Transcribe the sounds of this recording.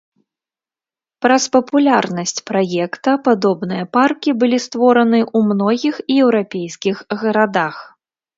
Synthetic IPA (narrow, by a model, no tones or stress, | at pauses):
pɾɐspɐpulʲarnɐsʲt͡sʲpɾajɛkt̪ɐpad̪ɔbnɨjɐparkʲibɨlʲist̪vɔɾɐnɨʔumnɔɣʲixjɛwɾapʲejskʲixɣɐɾad̪ax